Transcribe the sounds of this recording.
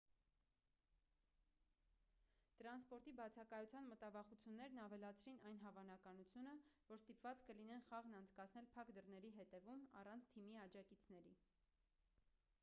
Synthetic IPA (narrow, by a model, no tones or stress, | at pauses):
t̪əɾɑnspɔɾt̪ibɑt͡sʰɑkɑjut͡sʰjɑnmət̪ɑvɑχut͡sʰjunːɛɾnɑvɛlɑt͡sʰɾinɑjn̪ɦɑvɑn̪ɑkɑnut͡sʰjunəvɔɾst̪ipvɑt͡skəlinɛnχɑʁnɑnt͡sʰkɑt͡sʰn̪ɛlpʰɑkd̪əɾnɛɾiɦɛt̪ɛvumɑ̰rɑnt͡sʰt̪ʰimiɑd͡ʒɑkit͡sʰnɛɾi